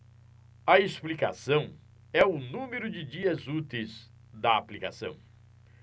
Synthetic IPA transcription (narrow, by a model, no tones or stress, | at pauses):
ɐesplika̰sɐ̃w̃ | ɛʊnũmeɾʊd͡ʒɪd͡ʒiɐzut̪ejz | d̪ɐaplika̰sɐ̰̃w̃